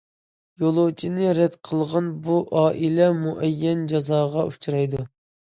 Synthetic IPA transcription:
jolˠot͡ʃʰinɪɾɛd̪qʰəlˠʁɑnbuʔɑːʔilɛmuʔɛjːɛnd͡ʒɑzɑːʁɑʔut͡ʃʰuɾɑjd̪u

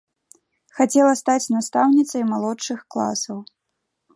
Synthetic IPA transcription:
xat͡sʲɛlˠɐst̪at͡sʲnast̪awnʲit̪sɐjmalˠɔʂɨxklˠa̰sɐw

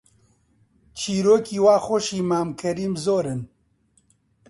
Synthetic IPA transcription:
t͡ʃʰiːɾoːkiːwaːxoʃiːmaːmkʰɐɾiːmzoːɾɨn

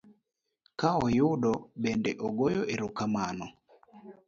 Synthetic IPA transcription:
kaɔjʊɗɔbendɛʔɔɡojɔʔeɾʊkamanɔ

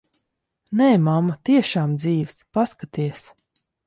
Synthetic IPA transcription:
nɛːmamːat̪iɛʃaːmd̪ziːwspaskat̪iɛs

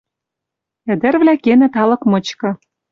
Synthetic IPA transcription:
ɘ̆d̪ɘ̆rvlækenɘ̆t̪ɑlɤ̆kmɤ̆t͡ɕkɤ̆

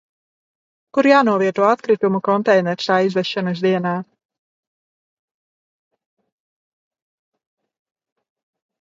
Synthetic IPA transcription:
kuɾjaːnuɔviɛt̪uɔat̪kɾit̪umukɔnt̪ɛjnɛɾsaːizvɛʃːanɐs̬d̪iɛnaː

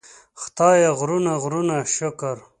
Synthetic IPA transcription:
xt̪ɑːjaɣɾunaɣɾunaʃʊkaɾ

